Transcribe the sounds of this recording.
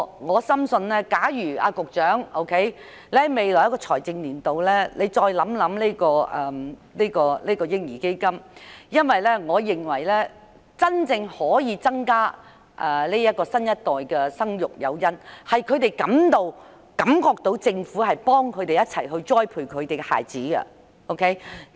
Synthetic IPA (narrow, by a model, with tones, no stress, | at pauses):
ŋɔː˨˧sɐ˥msɵ˧nlɛː˥kaː˨˥jyː˨˩a̰ː˧kʊ˨k̚t͡ʃœː˨˥ŋo˥wkʰe˨˥j | lɛː˨˥˧me˨˧jlɔ˨˩jkɔː˧t͡sʰɔː˨˩jt͡sɪ˧ŋliː˨˩nt̪o˨wlɛː˥le˨˧jt͡ʃɔː˧jlɐ˨˥mlɐ˨˥mleː˥kɔː˧ɛ˨le˥kɔː˧leː˥kɔː˧jɪ˥ŋjiː˨˩ke˥jkɐ˥mjɐ˥nwɐ˨jlɛː˥ŋɔː˨˧jɪ˨˩ŋwɐ˨˩jlɛː˥ | t͡sɐ˥nt͡sɪ˧ŋhɔː˨˥jiː˨˧t͡sɐ˥ŋkaː˥ | ʔɛː˨˩le˥jɐ˥t̚kɔː˧sɐ˥njɐ˥t̚t̪ɔː˨˩jkɛ˧sɐ˥ŋjʊ˨k̚jɐ̰˨˧wjɐ˥nhɐ˨jkʰɵ˨˧ɥt̪e˨jkɐ˨˥mt̪o˨˧w | kɐ˨˧˥mkɔː˧k̚t̪o˨˧˥wt͡sɪ˧ŋfuː˨˥hɐ˨jpɔː˥ŋkʰɵ˨˧t̪e˨jɐ˥t̚t͡sʰɐ˨˩jɦɵ˧ɥt͡ʃɔː˥jpʰuː˧jkʰɵ˨˧ɥt̪e˨jɡɛ˧ha̰ː˨jt͡siː˨˥ɡɐ̰˧ | ʔo˥wkʰe˦˥j